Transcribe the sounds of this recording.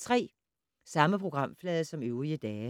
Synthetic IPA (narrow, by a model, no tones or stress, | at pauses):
t͡sʰʁɛ̰ː | sɑ̈məpʰʁo̝ɡ̥ʁɑ̈m̰flɛːðˠəsɒ̽møʊʁiəd̥ɛː